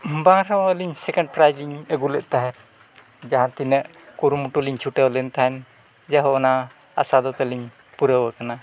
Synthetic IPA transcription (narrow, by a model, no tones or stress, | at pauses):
bãɾawaəliɲsɛkɛɳɖ̚pɾajliɲəɡulɛʔ̚t̪aɦɛ | d͡ʒaɦãt̪inəʔ | kuɾumuʈuliɲt͡ʃʰuʈəwlɛnt̪aɦɛn | d͡ʒaɦɔɔna | a̰sad̪ɔt̪ɛliɲ | puɾəwəkana